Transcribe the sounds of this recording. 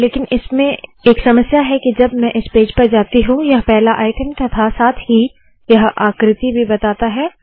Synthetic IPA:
leːkɪnɪsmẽeːksɐməsjaɦɛkid͡ʒɐbmɛ̃ʔɪspeːd͡ʒpɐɾd͡ʒaːt̪iɦũjɐɦpɛɦlaʔaːɪʈəmt̪ɐt̪ʰasaːt̪ʰɦi | jɐɦa̰ːkɾɪt̪ibʱibɐt̪aːt̪aɦɛː

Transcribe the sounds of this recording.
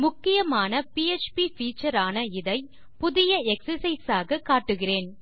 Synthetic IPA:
mʊkːɪjɐmaːnɐpiːɛt͡ʃpifiːt͡ʃːɐɾaːnɐɪðɐɪ | pʊðɪjɐɛksɐɾsɐɪsaːɣɐkaːʈːɯɣɪreːn

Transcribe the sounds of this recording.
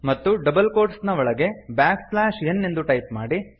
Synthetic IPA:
mɐt̪ːuɖɐbɐlkoːɾʈsnɐʋɔɭɐɡe̞bjaːkslaːʃenːend̪uʈɐjp̚maːɽi

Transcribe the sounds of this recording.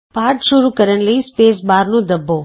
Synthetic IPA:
paːɾʈʃʊɾukəɾənləispeːsbaːɾnũd̪əbʱo

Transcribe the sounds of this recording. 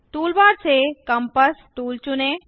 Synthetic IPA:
ʈuːlbaːɾsekəmpəsʈuːlt͡ʃʊneː

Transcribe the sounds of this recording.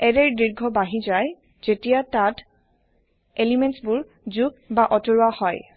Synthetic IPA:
ɛdɛɹdɹiɹɡʱɔbaɦizaj | zetijatat | elimentsbʊɹ | zuɡ̚baʔɔtoɹuahɔj

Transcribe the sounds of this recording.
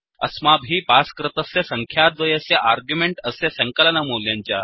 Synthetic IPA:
ə̰smabɦiːpaskɾɪt̪əsesəŋkʰjad̪ʋəjəseʔaɾɡjumeɳʈəsesəŋkəlnamoljãɲt͡ɕja

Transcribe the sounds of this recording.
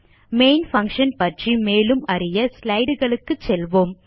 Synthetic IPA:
meːnfɐŋkʂɐnpɐʈrimeːlɯmɐrɪjɐslɐɪɽɯɣɐɭɯkːɯt͡ʃːɛlʋoːm

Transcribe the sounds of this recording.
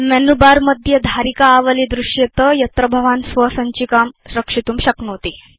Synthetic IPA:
mɛnubaɾməd̪ʱjəd̪ʱaɾikaːʋəlid̪ɾuʂjet̪əjɐt̪ɾəbʱəʋansʋəsəɲt͡ɕiːkamsɾəkʂit̪uːmɕəknot̪i

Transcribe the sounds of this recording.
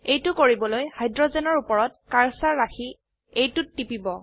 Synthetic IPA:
ejtʊkoɹibɔlojhajdɹɔzɛnɔɹupɔɹɔt̚kaɹsaɹːaxi | ejtʊtːipibɔ

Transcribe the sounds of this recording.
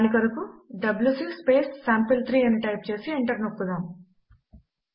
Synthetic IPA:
nikɐɾukuɖɐbljusikspe̞ːsːaːmpɐlt̪ʰɾiːɐniʈɐjp̚t͡ʃe̞ːsiiɳʈɐɾnokːud̪aːm

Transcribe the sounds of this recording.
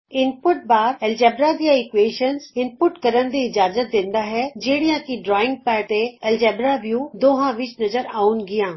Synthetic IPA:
ɪnpʊʈ̚baːɾɛld͡ʒɛːbɾad̪ijaeːkʋeːʃənzɪnpʊʈkɐɾən̆d̪iːɪd͡ʑaːzət̪̚d̪ɪ̃ːnd̪aɦɛd͡ʑeːɽijãkʰiɖɾɔːɪ̃ŋɡ̚pɛːt̪eɛːld͡ʒɛːbɾaʋjud̪oːɦãʋɪt͡ɕnɐzəɾaːunɡijãː

